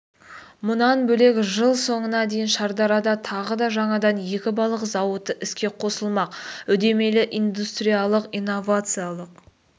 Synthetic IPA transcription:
mʊnɑnbɵle̞kʲʒəlˠso̞ɴənɑd̪e̞jɪnʃɑɾd̪ɑɾɑd̪ɑt̪ʰɑʁəd̪ɑʒɑɴɑd̪ɑnje̞kʲɪbɑlˠəqzɑwət̪əʔɪskʲe̞qʰo̞səlˠmɑqʏd̪e̞me̞lɪʔijnd̪ust̪ɾijalˠəqijno̞vat̪sɨjalˠəq

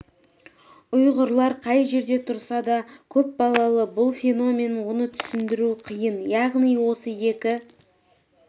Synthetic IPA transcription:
ʊjʁəɾlˠɑɾqʰɑjʒe̞ɾd̪e̞t̪ʰʊɾsɑd̪ɑkʲʰɵp̚bɑlˠɑlˠəbʊlˠfʲe̞no̞mʲe̞nwo̞nət̪ʰʏ̥sɪnd̪ɪɾuqʰəjənjɑʁnijwo̞səje̞kʲɪ

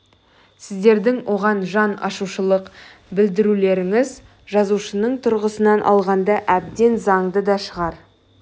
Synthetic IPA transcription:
sɪzd̪e̞ɾd̪ɪŋwʔo̞ʁɑnʒɑnɑ̰ʃuʃəlˠəq | bɪld̪ɪɾule̞ɾɪŋɪz | ʒɑzuʃənəɴt̪ʰʊɾʁəsənɑnʔɑ̰lˠʁɑnd̪ɑʔæb̚d̪e̞nzɑɴd̪əd̪ɑʃəʁɑɾ

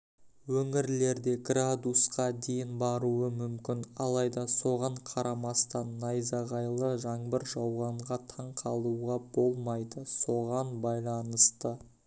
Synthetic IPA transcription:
wɵŋɪɾle̞ɾd̪e̞ɡrad̪usqɑd̪e̞jɪnbɑɾuəmʏmkʲɪnɑlˠɑjd̪ɑso̞ʁɑɴqʰɑɾɑmɑst̪ɑnːɑjzɑʁɑjlˠəʒɑɴbəɾʒɑwʁɑɴʁɑt̪ʰɑɴqʰɑlˠuʁɑb̥o̞lˠmɑjd̪əso̞ʁɑnbɑjlˠɑnəst̪ə

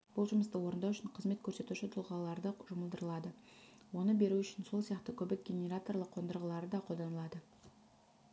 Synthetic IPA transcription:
b̥ʊlˠʒʊməst̪əwo̞ɾənd̪ɑʏʃɪɴqʰəzme̞t̪̚kʲʰɵɾse̞t̪uʃɪt̪ʰʊlˠʁɑlˠɑɾd̪əʒʊməlˠd̪əɾəlˠɑd̪əwo̞nəbe̞ɾuʏʃɪnso̞lˠsijɑqt̪əkʲʰɵbɪk̚ɡʲe̞nʲe̞ɾat̪o̞rlˠəqʰːo̞nd̪əɾʁəlˠɑɾəd̪ɑqʰod̪ɑnəlˠɑd̪ə

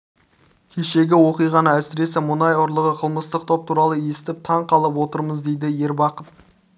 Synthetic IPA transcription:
kʲʰe̞ʃe̞ɡʲɪwo̞qijʁɑnəæsɪɾe̞sɪmʊnɑjʊɾlˠəʁəqʰəlˠməst̪əq̚t̪ʰo̞p̚t̪ʰuɾɑlˠəje̞sɪ̥t̪ɪp̚t̪ʰɑɴqʰɑlˠəp̬wo̞t̪əɾməzd̪e̞jd̪ɪje̞ɾbɑqət̪̚

